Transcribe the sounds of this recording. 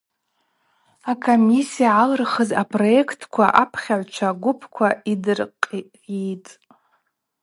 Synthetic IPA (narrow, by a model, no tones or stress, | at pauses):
akʰomisijaʕalɨrχəzapʼro̞ekʰtʰkʷʰaʔapʰχʲaʕʷt͡ʃʷʰaɡʷʊpʰkʷʰaidɨrqʼ | itʼ